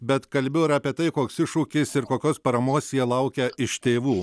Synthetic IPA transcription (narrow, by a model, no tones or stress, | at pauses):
bʲɛt̪kɐlʲbʲɛʊɪɾɑːpʲiɛt̪ɐɪkoːksɪʃuːkʲɪsɪɾkoːkʲoːspɐɾɐmoːsjiɛlˠɐʊkʲɛɪʃt̪ʲeːʋuː